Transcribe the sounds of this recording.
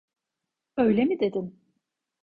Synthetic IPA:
ø̞jlʲemid̪e̞d̪in

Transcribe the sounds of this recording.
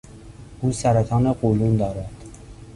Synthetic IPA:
uːsæɾæt̪ʰɒːnequlund̪ɒːɾæd̪̥

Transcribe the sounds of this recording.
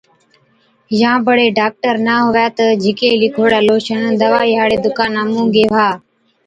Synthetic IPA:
jãːbəɽeːɖaːk̚ʈəɾnaːɦʊʋjaːt̪əd͡ʒʱɪkeːlikʰoːɽaːloːʃənd̪əʋaːiɦaːɽeːd̪ʊkaːnaːmũːɡeːʋaː

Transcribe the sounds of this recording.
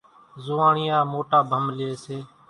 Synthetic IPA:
zʊːãːɳɪjãːmoːʈaːbʱəmlɪeːseː

